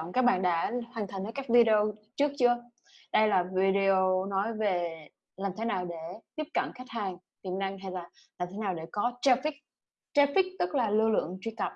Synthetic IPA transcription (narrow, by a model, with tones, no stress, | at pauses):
ŋ͡mkaː˦˥k̚ɓa̰ː˧˨nɗa̰ː˧˥ha˨˩ŋt̪ʰa˨˩ŋ̟əː˨˦jkaː˦˥k̚vi˧ɗe˧o˧t͡ɕɨ˦˥ək̚t͡ɕɨ˧ə | ɗə˧jlaː˨˩vi˧ɗi˧o˧nɔ˨˦jve˨˩ | laː˨˩mt̪ʰe˨˦naː˨˩wɗe˧˩t̪i˦˥p̚kə̰˧˩nxa˦˥k̚haː˨˩ŋ | t̪i˨˩ənːa˧ŋɦa˧jlaː˨˩ | laː˨˩mt̪ʰe˨˦naː˨˩wɗe˧˩kɔ˨˦t͡ɕɛ˧fi˦˥k̚ | t͡ɕɛ˧fi˦˥k̚t̪ɨ˦˥k̚laː˨˩lɨ˧lɨ̰˧˨əŋt͡ɕwi˧kə˨˩p̚